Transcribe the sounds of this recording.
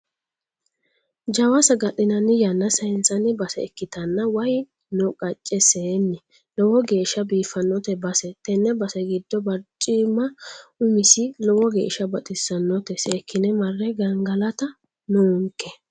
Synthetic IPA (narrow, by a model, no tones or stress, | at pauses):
d͡ʒɐwɐsɐɡɐɗɪnɐnɪjɐnːɐsɐɪnt͡sʼːɐnɪbɐsɛɛkːɪt̪ɐnːɐwɐj | nɔkʼɐt͡ʃʼːɛseːnːɪ | lɔwɔɡeːʃɐbiːfɐnːɔt̪ɛbɐsɛt̪ɛnːɛbɐsɛɡɪd̪ːɔbɐɾt͡ʃʼːimːɐʊmɪsɪlɔwɔɡḛːʃɐbɐt̪ʼɪsɐnːɔt̪ɛsɛːkʰːɪnɛmɐrːɛɡɐŋɡɐlɐt̪ɐ | nuːŋkːɛ